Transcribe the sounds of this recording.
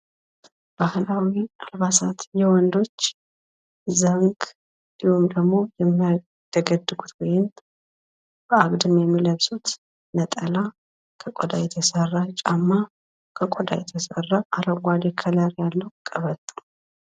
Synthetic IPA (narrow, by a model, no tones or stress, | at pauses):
b̥ahlawialβasat̪jɛwɔnd̪o̞t͡ʃː | zəŋɡ | d̪ihumd̪əɡmo̞jɛmːia | t̪ʰəɡəd̪ːɨɡut̪wɔjɪn | b̥əaɡd̪ɨmjɛmːiləβsʼut̪ | nət̪ʼəla | kʰəkʼod̪ajɛt̪ʰəsərːat͡ʃʼamːa | kʰəkʼod̪a̰jɛt̪ʰəsərːaʔaɾəɡʷad̪ekʰələɾjalːəwkʼəβət̪ʼːu̥